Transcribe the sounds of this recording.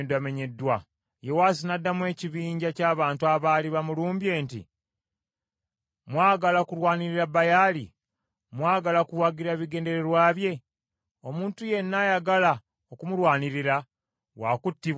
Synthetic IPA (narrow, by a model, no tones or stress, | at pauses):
nduame̞ɲe̞dːwa | je̞waːsinadːamwe̞ːciβiːɲɟacaːβaːntuaβaliβamuluːmbje̞ːntḭ | mwaːɡalakuɾwaːniɾiɾabajaːli | mwaːɡalakuwaɡiɾaβiɡe̞ːnde̞ɾe̞ɾwaːβje̞ | o̞muːntuje̞nːajaɡala | okumulwaːniɾiɾa | wakutːi